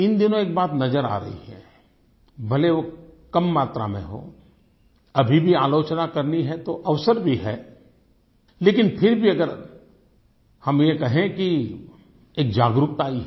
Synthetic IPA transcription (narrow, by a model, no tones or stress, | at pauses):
ɪnd̪ɪnõeːk̚baːt̪nɐzəɾa̰ːɾɐ̰ɦḭɦɛ̰ | bʱɐleʋokɐmːaːt̪ɾa̰mḛ̃ɦo̰ː | ɐbʱibʱiaːloːt͡ʃnakɐɾniɦɛt̪oʔɐʋsəɾbʱiɦɛː | leːkɪnpʰɪɾbʱiɐɡəɾ | hɐmjekɐɦẽki | eːk̚d͡ʒaːɡɾʊkt̪aːiɦ